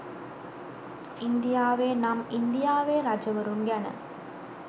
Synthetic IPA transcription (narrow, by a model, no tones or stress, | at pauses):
ɪnd̪ɪjaːʋeːnɐmɪnd̪ɪjaːʋeːɾɐd͡ʒɐʋɐɾuŋɡɐnɐ̰